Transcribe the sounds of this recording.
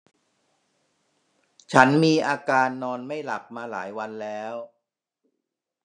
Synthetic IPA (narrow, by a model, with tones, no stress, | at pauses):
t͡ɕʰa˦˥nmiː˧ʔaː˧kaː˧nːɔː˧nma˥˩jla̰˨˩p̚maː˧la̰ː˩˦jwa˧nlɛː˦˥w